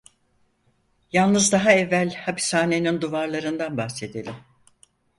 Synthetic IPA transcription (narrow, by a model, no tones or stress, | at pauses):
jalˠnɯzd̪aɦaɛvːælʲhapʰi̥shaːne̞nind̪uvaɾlˠaɾɯnd̪anbaxse̞d̪elʲim